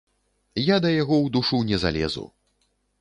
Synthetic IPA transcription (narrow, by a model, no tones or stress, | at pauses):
jad̪ɐjaɣɔwd̪uʂunʲɛza̰lʲɛ̰zṵ